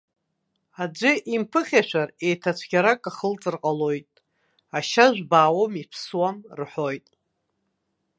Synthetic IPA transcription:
ad͡ʒʷɪʔimpʰɨχʲaʃʷᶣare̞jtʰat͡ɕʷʰɡʲaɾakʼaχəlt͡sʼɨrqʼalo̞jtʼ | aʃaʒʷᶣbaːwomipʰswamrħo̞jtʼ

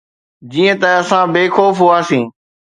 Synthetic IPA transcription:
d͡ʑiːə̃t̪əəsãːbeːxoːfɦʊaːsĩː

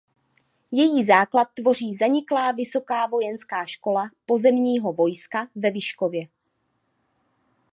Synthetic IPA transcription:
jɛjiːzaːklat̪̚ːvo̞r̝iːzaɲɪklaːvɪso̞kaːvo̞jɛnskaːʃko̞lapo̞zɛmɲiːɦo̞vo̞jskavɛvɪʃkovjɛ

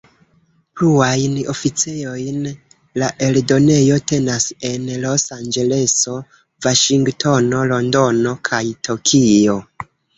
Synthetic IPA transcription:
pluajno̞fit͡sejo̞jn | laʔe̞ldo̞ne̞jo̞te̞nase̞nlo̞sand͡ʒe̞le̞so̞ | vaʃiŋɡtʰo̞no̞lo̞ndo̞no̞kʰajtʰokʰio̞

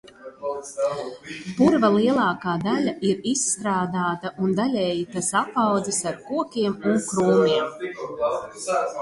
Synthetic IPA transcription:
puɾvalˠiɛlˠɑːkaːd̪alʲaʔiɾisːt̪ɾaːd̪aːt̪aʔund̪alʲɛːjit̪asapawd̪zisaɾkuɔkʲiɛmuŋkɾuːniɛm

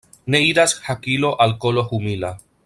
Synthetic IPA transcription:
neiɾashakilo̞ʔalkoloxumila

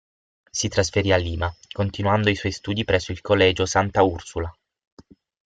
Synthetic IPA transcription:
sit̪ɾasfeɾialːiːmakont̪inwand̪oiswɔjst̪uːd̪ipɾɛsːoilkʰolːɛːd͡ʒosant̪aursula

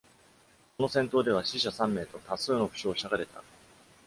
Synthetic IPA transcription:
ko̞no̞sẽ̞nt̪oːd̪e̞β̞aɕiɕasãmːe̞ːt̪o̞t̪asɨːno̞ɸɯ̟̥ɕo̞ːɕaɡaɾe̞t̪ʰa̰

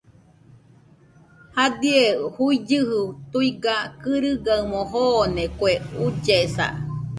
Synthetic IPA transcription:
had̪iehuid͡ʒɨhut̪uiɡakɨɾɨɡaɨmoɦoːnekʷeud͡ʒesa̰

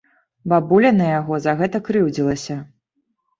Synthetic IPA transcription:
babulʲɐnɐjaɣɔzɐɣɛt̪ɐkɾɨwd͡zʲilˠɐsʲɐ

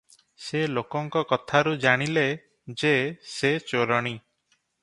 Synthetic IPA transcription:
selokɔŋkɔkɔt̪ʰaɾud͡ʒaɽ̃ile | d͡ʒeset͡ʃoɾɔɽ̃i

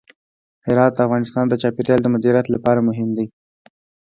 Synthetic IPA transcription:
hɪɾɑt̪̚əafɣɑnɪst̪ɑnd̪ət͡ʃɑpeɾjɑld̪əmʊd̪iɾjat̪lapɑɾamʊɦɪmd̪e

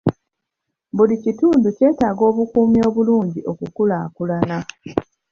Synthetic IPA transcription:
βulicituːnduce̞ːtaːɡo̞ːβukuːmjo̞ːβuluːɲɟiʔo̞kukulaːkulana

